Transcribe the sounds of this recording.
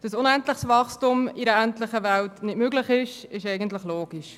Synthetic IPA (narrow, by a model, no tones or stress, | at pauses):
d̥ɑsʊnɛntlɪχsvɑχstumiɾəæntlɪχəʋæltnɪdmøːɡlɪχɪʃɪʃɛɪɡəntlɪχloːɡ̥iʃ